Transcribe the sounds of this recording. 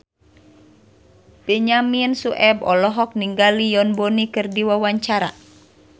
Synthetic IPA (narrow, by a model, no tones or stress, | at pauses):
b̥ɛɲaminsuʔɛbɔlɔɦɔk̚niŋɡalijɔnbɔnikɨrdiwawaɲt͡ʃaɾa̰